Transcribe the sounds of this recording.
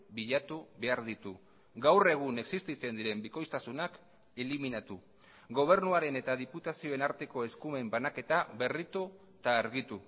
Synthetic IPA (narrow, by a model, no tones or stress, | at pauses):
biʎat̪uβe̞aɾðit̪u | ɡawre̞ɣ̞une̞ksist̪it͡se̞nd̪iɾe̞mbiko̞jst̪asunak | eliminat̪u | ɡo̞β̞e̞ɾnuaɾe̞ne̞t̪aðiput̪asio̞e̞naɾt̪e̞ko̞e̞skume̞mbanake̞t̪aβe̞rit̪u | t̪aːɾɣit̪u